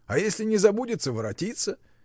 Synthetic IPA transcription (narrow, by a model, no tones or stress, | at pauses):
ɐjesʲlʲɪnʲɪzɐbudʲɪt̪səvəɾɐtʲit̪sə